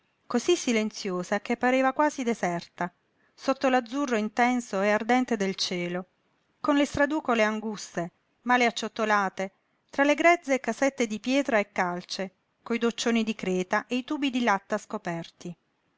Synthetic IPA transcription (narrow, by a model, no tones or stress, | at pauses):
kozisːilent̪sjoːzakepːaɾeːvakwaːzid̪ezɛrt̪a | sot̪ːolad̪zːurːoint̪ɛnsoeard̪ɛnt̪ed̪elt͡ʃɛːlo | konlest̪ɾad̪uːkoleaŋɡust̪e | maːleat͡ʃːot̪ːolaːt̪e | t̪ɾaleɡɾɛd̪zːeːkːasɛt̪ːed̪ipjɛːt̪ɾaekːalt͡ʃe | koid̪ot͡ʃːoːnid̪ikɾɛːt̪aʔeit̪uːbid̪ilat̪ːaskopɛrt̪i